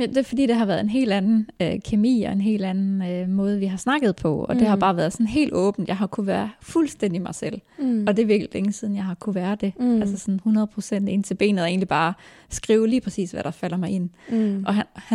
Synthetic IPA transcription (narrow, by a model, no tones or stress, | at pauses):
d̥e̝fɒd̥ḭːd̥e̝ɦɑ̈ʋæɐðˠenɦe̝̰ːld̥ænn̩økʰe̝mḭːɒ̽e̝nɦe̝̰ːld̥ænn̩ømɔ̽ːð̞̩ˠʋiɦɑ̈snɑ̈ɡ̥ð̞̩ˠpʰɒ̽ɒ̽d̥e̝ɦɑ̈b̥ɑ̈ːʋæːɐð̞̩ˠsɒ̽nɦe̝̰ːld̥ɔ̰̽ːb̥n̩d̥jɑ̈ɪɦɑ̈kʰuʋæɐfulsd̥en̰d̥imɑ̈ɪsel̰ɒ̽d̥e̝ʋiɐɡlleŋəsiːð̞ˠn̩jɑ̈ɪhɑ̈kʰuʋæːɐd̥e̝ælsəsɒ̽nhunɐð̞ˠpʰʁosen̰d̥e̝nt͡sʰe̝lb̥e̝̰ːnð̩ˠe̝ːnlib̥ɑ̈ː | sɡ̥ʁiːʊliːpʰʁɛsḭːsʋæɾ̥ɑ̈fæl̰ɐmɑ̈ɪe̝n̰ʔɒ̽ɦæhæ